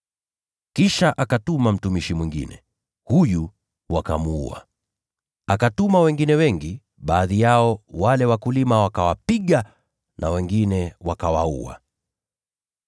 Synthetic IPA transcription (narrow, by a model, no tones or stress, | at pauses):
kiʃaʔakatumam̩tumiʃimwiŋɡḭnɛ̰ | huju | waka̰muṵa̰ | akatumawɛŋɡinɛwɛŋɡi | ɓaːðijaɔwalɛwakulimawakawapiɠa | nʔa̰wɛŋɡinɛwakawaṵa̰